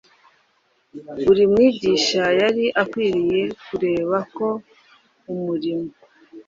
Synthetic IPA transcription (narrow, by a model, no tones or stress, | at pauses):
uɾimŋiːɟiːʃajaɾiʔakwiːɾije̞kuɾe̞ːβako̞ | umuɾimo